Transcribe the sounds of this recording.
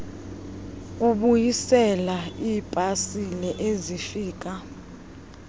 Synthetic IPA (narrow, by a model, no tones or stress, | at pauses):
uɓujisɛlaiːpʼasilɛʔezifiːk̬ʼa